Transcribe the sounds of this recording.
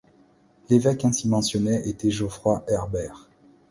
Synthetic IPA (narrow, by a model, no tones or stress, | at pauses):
levɛkɛ̃simɑ̃sjɔnɛʔet̪ɛʒofχwaʔɛʁbɛːʁ